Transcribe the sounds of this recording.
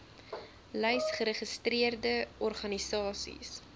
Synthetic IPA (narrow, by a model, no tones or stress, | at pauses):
lɛjsχəɾəχəstriərdəʔɔrχɐnisɑːsḭs